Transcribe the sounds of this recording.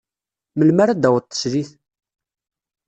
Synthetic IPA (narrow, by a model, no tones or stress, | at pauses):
məlmaɾad̪æwət̪ˤːə̥sɾiθ